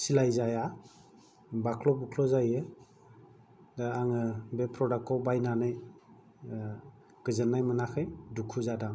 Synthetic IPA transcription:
silajzaja | bakʰlɔpukʰlɔzajɯ | daɾaŋɯbepʰɾɔdak̚ɔwbajnanɯj | ɡ̥ɯzɯnːajmɯnakʰɯjdukʰuzadaŋ

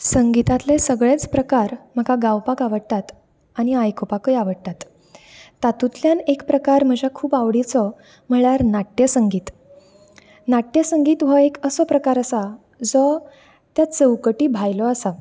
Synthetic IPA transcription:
səŋɡit̪at̪lesəɡɭet͡spɾəkaɾm̤əɡaɡawpakaʋəɽt̪at̪ | aɽ̃iajkʰopakəjaʋəɽt̪at̪ː | at̪ut̪ljanekpɾəkaɾm̤əd͡ʑʱakʰuːbaʋɽit͡sɔ | m̤əɭaɾnaʈjəsəŋɡiːt̪ | naʈjəsəŋɡiːt̪ʋəekəsɔpɾəkaɾəsa | d͡zɔ | t̪jat͡səwkəʈiːbʱajlɔəsa

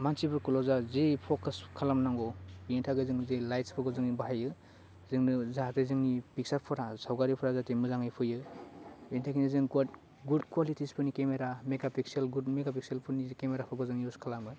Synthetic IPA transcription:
mansibɯɾkulɔzazepʰɔkɯskʰalamnaŋɡɔbientʰaɡɯzɯŋzelajtspʰɯɡɔzɯŋnibaɦajɯ | zɯŋnɯzazezɯŋnipiksapʰɯɾasawɡaɾipʰɔɾazatemɯzaŋɯjpʰɯjɯ | intʰakʰinizɯŋɡad | ɡudkwalitʰispʰɯnikemeɾameɡapikselɡudmeɡapiksielpʰɯnikemeɾapʰɯɡɔzɯŋniuskʰalamɯ

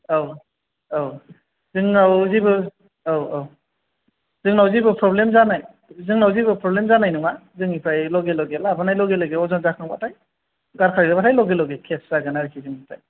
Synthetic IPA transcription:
aw | aw | zɯŋnawzibɯ | awaw | zɯŋnawzibɯpʰɾɔblemzanaj | zɯŋnawzibɯpɾɔblemzanajnuŋmazɯŋipʰɾajlɔɡelɔɡelabanajlɔɡelɔɡeɔzɔnzakʰɯŋba̰tʰaj | ɡaɾkʰaɾbɯbatʰajlɔɡelɔɡekʰeszaɡɯnaɾikʰiziŋatʰa̰j

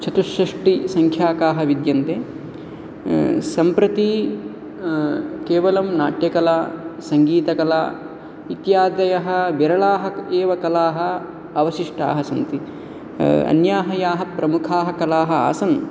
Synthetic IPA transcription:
t͡ʃʰɐt̪uʃɐʂʈisɐŋkʰjaːkaːɦɐʋid̪jɐnt̪eː | sɐmpɾɐt̪i | keːʋɐlɐmnaːʈjɐkɐlaːsɐŋɡiːt̪ɐkɐla̰ː | it̪jaːd̪ɐjɐɦɐ̆ʋiɾɐɭaːɦɐeːʋɐkɐlaːɦɐ̆ | ɐʋɐʃiʂʈa̰ːɦɐsɐnt̪i | ɐ̰njaːɦɐjaːɦɐpɾɐmukʰaːɦɐkɐlaːɦɐa̰ːsɐn

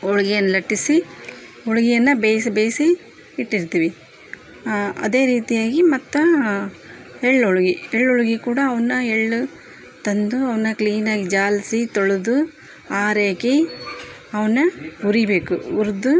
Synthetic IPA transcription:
ɔɭɐɡɛjɐnːɐlɐʈːisi | ɔɭɐɡɛjɐnːɐbeːjsɐbeːjsiː | ʈːiɾt̪iːʋi | ɐ̰d̪e̞ːɾiːt̪ijaːɡimɐt̪ːu | eɭːɔɭuɡieɭːoɭɡikuːɽɐːʋɐnːɐeɭːu | t̪ɐnd̪uɐʋɐnːɐkliːnaːɡid͡ʒaːlsit̪oɭud̪u | aːɾeːki | ɐʋɐnːɐuɾibeːkuuɾd̪u

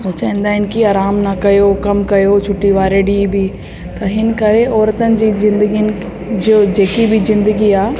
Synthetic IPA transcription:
ũːt͡ɕɐɛ̃ːnd̪aːɦɪn̆kiaːɾaːmnɐkɐjokɐmkɐjot͡ʃʰʊʈːiʋaːɾeɖiːbʱi | t̪ɐɦɪnɪ̆kɐɾeʔɔːɾt̪ənɪ̆d͡ʑiːzɪ̃nd̪əɡiən | d͡ʒod͡ʑeːkibʱizɪ̃nd̪əɡiaː

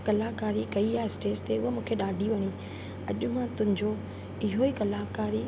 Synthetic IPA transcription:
kɐlaːkaːɾikɐiaːɪsʈeːst̪eʊɦemũːkʰeɗaːɖʱiʋɐɲi | ɐʄʊmãt̪ʊ̃ɦɪ̃ɲd͡ʑo | ɪɦoikɐlaːkaːɾi

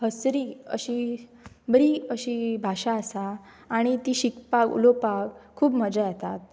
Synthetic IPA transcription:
ɦəsɾiːə̰ɕi | bəɽiəɕiːbʱaɕaəsaː | ɽ̃it̪iːɕikpakṵlopakkʰːuːbməd͡ʑajat̪at̪̚

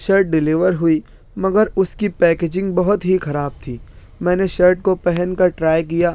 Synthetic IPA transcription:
ʃɐɾʈ̚ɖɪlɪʋəɾɦʊi | mɐɡəɾʊskipɛːkeːd͡ʒɪ̃ŋɡ̚bɐɦʊt̪ɦixɐɾaːb̚t̪ʰiː | mɛ̃ːneʃɐɾʈ̚kopɛɦɛnkaʈɾaːjk̬ijaː

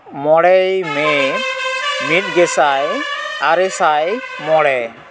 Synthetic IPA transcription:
mɔɽɛjmɛ | mit̚ɡɛsajaɾɛsajmɔɽɛ

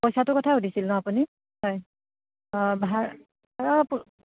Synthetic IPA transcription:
pɔjsatʊkɔtʰaudisilnɔ̃apuni | hɔj | bʱaɹ | baɹap

